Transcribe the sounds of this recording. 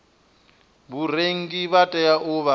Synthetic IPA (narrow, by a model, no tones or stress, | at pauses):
βuɾeŋ̩ɡiβatʼɛjaʔʊβa